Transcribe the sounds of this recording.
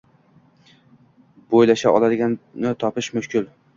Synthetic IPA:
bojlaʃaɒlad̪ɪɡʲannɪt̪ʰɒpɪʃmʊʃkʰʲɪl

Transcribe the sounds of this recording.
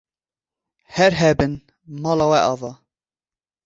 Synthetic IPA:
hɛɾɦɛbɨn | mɑːlɑwɛʔɑvɑ

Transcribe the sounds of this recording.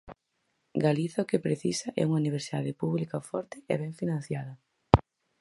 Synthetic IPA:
ɡaliθakepɾeθisɐʔɛ̰uŋauniβ̞eɾsiða̰ðepuβlikafɔɾt̪ɪɛ̰βɛɱfinãnθjaðɐ

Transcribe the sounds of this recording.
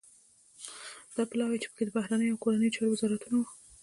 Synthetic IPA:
d̪̥ɑpɪlɑwet͡ʃe̥pə̥ked̪əbahɾanəjoawkoɾanəjot͡ʃɑɾowɪzɑɾat̪unow

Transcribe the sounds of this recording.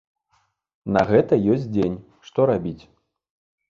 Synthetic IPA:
nɐɣɛt̪ɐjɔsʲtʲt͡sʲd͡zʲenʲ | ʂt̪ɔɾabʲit͡sʲ

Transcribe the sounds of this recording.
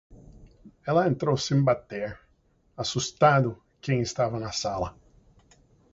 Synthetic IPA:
ɛlɐẽnt̪ɾowsẽj̃bat̪eɾ | asust̪ad̪ʊ | kẽj̃ɪst̪avɐnɐsalɐ

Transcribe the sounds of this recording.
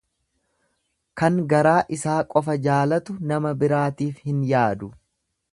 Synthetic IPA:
kɐŋɡɐɾaːʔɪsaːkʼɔfɐd͡ʒaːlɐt̪ʊnɐmɐbɪɾaːt̪iːfhɪnjaːd̪ʊ

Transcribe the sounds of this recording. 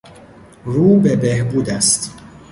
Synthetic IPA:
ɾuːbebehbuːd̪æst̪

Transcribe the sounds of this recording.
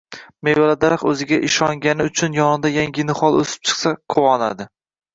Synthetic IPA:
mewalad̪aɾχɵzɪɡʲaʔɪʃɒŋɡʲanɪʊt͡ʃʰʊnjɒnɪd̪ajaŋɡʲɪnɪχɒlˠɵ̰sɪ̥p̚t͡ʃʰɨ̥χsaqʰʊwɒna̰d̪ɪ

